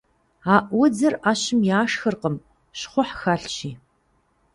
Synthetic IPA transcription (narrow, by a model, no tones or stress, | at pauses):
aːʔwɔd͡zɐraːɕɪmjaːʂxɨrqəm | ɕχʷɔħxaːɬt͡ʃiː